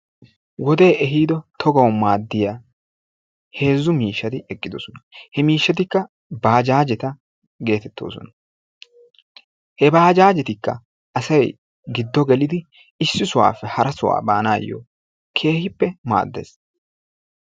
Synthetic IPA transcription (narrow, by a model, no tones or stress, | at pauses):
wɔd̪e̞ːʔɛɦiːd̪ɔt̪ʰɔɡɐwʊmaːd̪ːɪja | he̞ːzːʊmiːʃːɐt̪ɪɛkʼːɪd̪ɔsɔnɐhɛmiːʃːɐt̪ɪkːɐ | baːd͡ʒaːd͡ʒɛt̪ɐ | ɡe̞ːt̪ɛt̪ːo̞̰ːsɔ̰nɐ̥ | hɛbaːd͡ʒaːd͡ʒɛt̪ɪkːɐ̰ | ɐsɐj | ɡɪd̪ːɔɡɛlɪd̪ɪ | ɪsːɪsʊwa̰ːfːɛhɐɾɐsʊwa̰ːba̰ːnaːjːo̰ | kʰe̞ːhɪpːɛma̰ːd̪ːḛːs